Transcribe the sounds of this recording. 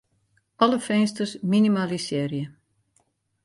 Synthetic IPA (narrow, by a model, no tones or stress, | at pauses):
ʔɔləfɛnstərsminimalisɪːrjə